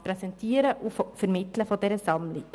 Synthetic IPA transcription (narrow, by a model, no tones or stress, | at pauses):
pɾɛsɛntʰiːəɾəʔʊffɛɾmɪtləfodɛɾəzɑmlɪ